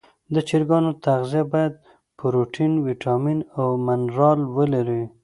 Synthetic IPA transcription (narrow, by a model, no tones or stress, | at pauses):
d̪ət͡ʃiɾɡɑnot̪aɣzijabɑjad̪̚ | pəɾoʈʰinwiʈʰɑminawmanɾɑlwəlaɾi